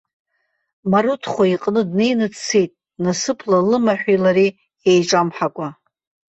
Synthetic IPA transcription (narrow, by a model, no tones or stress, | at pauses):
maɾutʰχʷaiqʼnɨdne̞jnɨt͡sʰt͡sʰejtʼ | nasɨpʰlalɨmaħᶣʷilaɾi | ejʈ͡ʂʼamħakʷʼa